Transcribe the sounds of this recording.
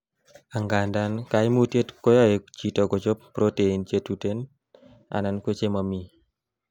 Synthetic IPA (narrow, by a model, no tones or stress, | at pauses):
aŋɡandankaimutiet̪kojɔed͡ʒit̪ɔkɔt͡ʃɔpːɾoteint͡ʃet̪uten | a̰nankwet͡ʃemami